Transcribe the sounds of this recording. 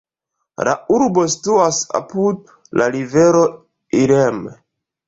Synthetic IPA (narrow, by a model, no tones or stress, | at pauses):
la̰uɾbo̞si̥tuasa̰pud̚ | laɾive̞ɾo̞ | iɾem